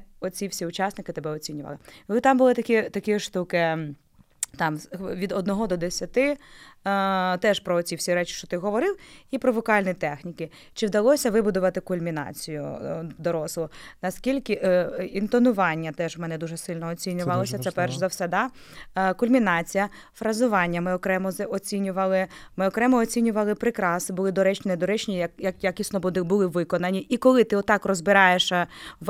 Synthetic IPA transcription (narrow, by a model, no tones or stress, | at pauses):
ɔt͡sʲiwsʲiʊt͡ʃɑsnɪkɪt̪ebɛɔt͡sʲinʲʊʋɐ̰lˠɪɪt̪ɑmbʊlˠɪt̪ɐkʲit̪ɐkʲɪʃt̪ukɪ | t̪ɑmʋʲid̪ɔd̪nɔɦɔd̪ɔd̪esʲɐt̪ɪ | t̪ɛʃpɾɔːt͡sʲiwsʲiɾɛt͡ʃɪ̥ʃt͡ʃɔt̪ɪɦɔʋɔɾɪwipɾɔʋɔkɑlʲnʲit̪ɛxnʲikɪ | t͡ʃɪwd̪ɐlˠɔsʲɐʋɪbʊd̪ʊʋɐt̪ɪkʊlʲmʲinɑ̰t͡sʲijʊ̰d̪ɔɾɔslˠʊnɐskʲilʲkɪʔint̪ɔnʊʋɑnʲːɐt̪ɛʒʋmɛnɛd̪uʒɛsɪlʲnɔɔt͡sʲinʲʊʋɐlˠɔsʲɐsɛpɛrʃzɐwsɛd̪ɑ | kʊlʲmʲinɑt͡sʲijɐ | fɾɐzʊʋɑnʲːɐmɪɔkɾɛmɔzɔt͡sʲinʲʊʋɐlˠɪmɪɔkɾɛmɔɔt͡sʲinʲʊʋɐlˠɪpɾɪkɾɑsnɪbʊlˠɪd̪ɔɾɛt͡ʃʲnɛd̪ɔɾɛt͡ʃnʲijɐkjɐkjɐkʲisnˠɔbɔd̪ɪbʊlɪʋɪkɔnɐnʲiikɔlˠɪt̪ɪɔt̪ːɑkrɔzbɪɾɑjeʃɐ